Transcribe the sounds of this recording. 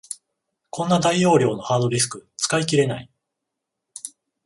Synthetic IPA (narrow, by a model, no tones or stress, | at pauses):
kʰõ̞nːad̪aio̞ːɾʲo̞ːno̞haːd̪o̞ɾʲis̬ɨ̥kɯ̟t͡sɨ̥kaik̬ʲiɾe̞na̰i